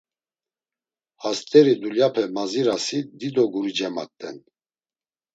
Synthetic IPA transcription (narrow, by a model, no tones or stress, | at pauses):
hast̪ʼɛɾid̪uljapʰɛmaziɾasid̪id̪ɔɡuɾid͡ʒɛma̰k̚t̪ʼːɛ̰n